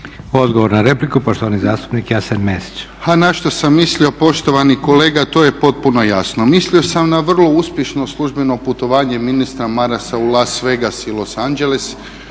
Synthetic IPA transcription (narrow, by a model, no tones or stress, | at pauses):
od̪ɡoʋoɾnaɾeplikupoʃt̪oʋanizaːst̪u̥pnikjasenmesi̥t͡ʃ | hanaʃt̪o̞samːislio̞po̞ʃt̪o̞ʋaniko̞leːɡat̪o̞ːje̞po̞t̪̚puno̞jasno̞mislio̞samnaʋr̩lˠo̞uspʲjeʃno̞slˠuʒbe̞no̞put̪o̞ʋaːɲe̞minist̪ɾamaɾasaulasʋe̞ɡasilˠo̞sand͡ʒe̞les